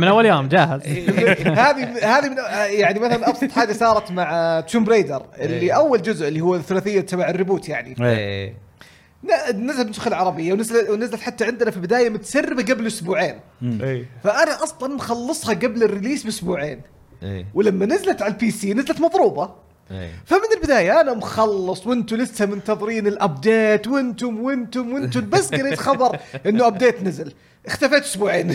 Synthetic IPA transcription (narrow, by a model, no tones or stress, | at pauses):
mɪnʔawːaljoːmd͡ʒaːhɪz | haːðimhaːðimɪnjaʕnimaθalanʔɑbsˤħaːd̪isɑːɾˤɑt̪maʕt̪ːuːmbɾeːd̪ɑ̰ɾˤʔɪlːiʔawːald͡ʒʊzʔɪlːihʊwːaθːʊlaːθɪjːat̪amaʕɪrːɪbuːt̪jaʕnie | nanɪzabnsʊxɪlʕɑɾˤɑbɪjːawnɪzlwnazlat̪ħat̪ːaʕɪnd̪nafibɪd̪aːjamʊt̪ḁsarːɪbaɡablʔʊsbuːʕeːnejfaʔanaʔɑsˤlɑnmxɑlːɨsˤhɑɡablɪrːɪliːsbɪʔʊsbuːʕeːn̰ | wɪlamːanazalat̪ʕalpiːsiːnazlat̪mɑðˤɾuːbɑ̰ | famɪnɪlbɪd̪aːjaʔanamxɑlːɨsˤwʔɪnt̪ʊlɪshamɪnt̪ɑðˤɾiːnɪlʔabd̪eːt̪wʔɪnt̪ʊmwɪnt̪ʊmwɪnt̪ʊlbasːɡaɾit̪xɑðˤɑɾˤʔɪnːʊʔabd̪eːt̪nazal | ʔɪxt̪afeːt̪ʔʊsbuːʕeːn